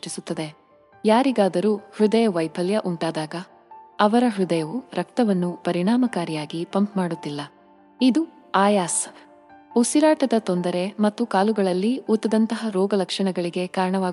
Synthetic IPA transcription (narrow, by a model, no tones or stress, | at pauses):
t͡ʃisut̪ːɐd̪e̞ | jaːɾiɡaːd̪ɐɾuːhɾud̪ɐjɐʋɐjpʰɐljɐʔuɳʈaːd̪aːɡɐ | ɐʋɐɾɐɦɾud̪ɐjɐʋuɾɐk̚t̪ɐʋɐnːupɐɾiɳaːmɐkaːɾijaːɡipɐmpmaːɽut̪ːilːɐ | id̪u | aːjaːs | usiɾaːʈɐd̪ɐt̪ond̪ɐɾe̞mɐt̪ːukaːluɡɐɭɐlːiut̪ːɐd̪ɐnt̪ɐɦɐɾɔːɡɐlɐkʂɐɳɐɡɐɭiɡe̞kaːɾɐɳɐʋaː